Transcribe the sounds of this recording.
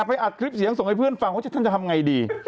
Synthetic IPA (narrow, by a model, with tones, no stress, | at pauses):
a˨˩pa˧jʔa˨˩t̪̚kʰɾi˦˥p̚si˨˦əŋso˨˩ŋha˥˩pʰɯ˥˩ənfa˧wa˥˩t͡ɕa˨˩t̪ʰa˥˩t͡ɕa˨˩t̪ʰa˧m˧ŋa˧jdiː˧